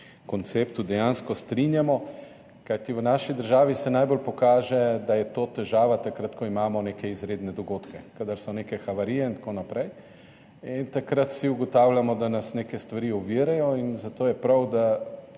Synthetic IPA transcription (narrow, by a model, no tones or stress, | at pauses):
kɔnt̪seːpt̪ud̪ɛjaːnskɔst̪ɾinjamɔ | kajt̪iʋənaːʃid̪əɾʒaːʋisɛnajbolpɔkaːʒɛd̪ajɛt̪oːt̪ɛʒaːʋat̪akɾat̪kɔimaːmɔneːkɛizɾeːd̪nɛd̪ɔɡoːt̪kɛkad̪aɾsɔneːkɛxaʋaɾijɛint̪konapɾɛj | int̪akɾat̪w̥siuɡɔt̪awlʲjamɔd̪anasneːkɛst̪ʋaɾiɔʋiɾajɔinzat̪oːjɛpɾawd̪a